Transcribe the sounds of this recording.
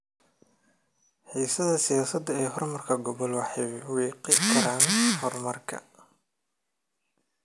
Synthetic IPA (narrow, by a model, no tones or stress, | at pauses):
ħiːsɐðɐsɪjaːsɐd̪ɐɛːɦɔrmɐrkʰɐɡɔβɔlwɑħɛβwiːqɪkʰɐɾaːnhɔrmɐrkʰɐ̰